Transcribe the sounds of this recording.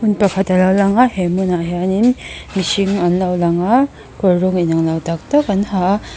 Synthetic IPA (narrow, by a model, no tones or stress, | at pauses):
hunpakʰatalawlaŋahemunaɦjaninmisiŋanlawlaŋa | kɔɾɾɔŋinaŋlawdak̚takanha